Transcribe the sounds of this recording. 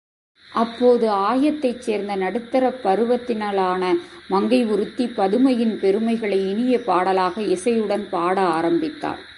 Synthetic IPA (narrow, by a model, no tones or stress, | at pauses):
ʔɐpːoːðɯaːjɐt̪ːɐɪt͡ʃːeːɾnd̪ɐnɐɽɯt̪ːɐɾɐpːɐɾɯʋɐt̪ːɪnaːɭaːnɐmɐŋɡɐɪʊɾɯt̪ːipːɐðɯmɐjɪnpɛɾɯmɐɪɣɐɭɐɪɪɳɪjɐpaːɽɐlaːɣɐɪsɐjɯɽɐnpaːɽɐaːɾɐmbɪt̪ːa̰ːɾ